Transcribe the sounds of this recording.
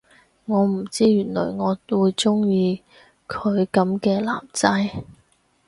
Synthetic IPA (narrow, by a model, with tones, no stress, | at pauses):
ŋɔː˨˧m̩˨˩t͡siː˥jyː˨˩nlɔ̰ː˨˩jŋɔː˨˧wuː˨˧jt͡sʊ˥ŋjiː˧ | kʰɵ˨˧ɥkɐ˨˥mkɛː˧la̰ː˨˩mt͡sɐ˥j